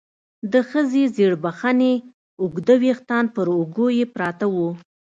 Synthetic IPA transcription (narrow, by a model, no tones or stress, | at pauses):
d̪əxəzezeɽbaxane | ʊɡd̪awext̪ɑnpəɾʊɡojepɾɑt̪awu